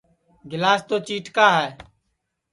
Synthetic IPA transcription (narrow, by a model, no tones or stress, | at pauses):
ɡɪlaːst̪oːt͡ʃiːʈkaːɦɛː